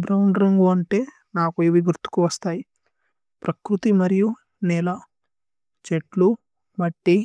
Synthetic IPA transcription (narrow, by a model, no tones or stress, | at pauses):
bɾɐwɳɖɾɐŋɡuɐɳʈe̞ː | naːkueːʋiɡuɾt̪u̥kuʋɐst̪aːji | pɾʔɐkɾut̪imɐɾiju | nɛːlɐ | t͡ʃeʈlu | mɐʈːi